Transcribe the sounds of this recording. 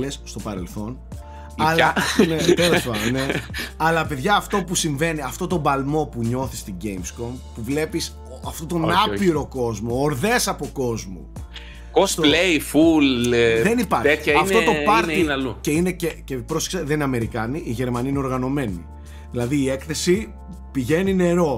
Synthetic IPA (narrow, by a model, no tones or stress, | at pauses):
lesst̪o̞pɐɾe̞lθo̞n | ɐlɐnetelospɐmneɐlɐpe̞ðʝɐːft̪o̞pusiɱve̞niɐft̪o̞t̪o̞bɐlmo̞puɲo̞θist̪iɟe̞jmsko̞mpuvle̞pis | oɐft̪o̞t̪o̞nɐpiɾo̞ko̞zmo̞ːɾðe̞sɐpo̞ko̞zmṵ | kost̪oleifulðenipɐɾt̪eçt̪içɐɐft̪ot̪opɐɾt̪iluce̞ine̞cecepɾose̥ksɐðenineɐme̞ɾikɐniʔiʝe̞ɾmɐniineoɾɣɐno̞me̞nḭ | ðilɐðiːe̞kθe̞si | piʝe̞nine̞ɾo̞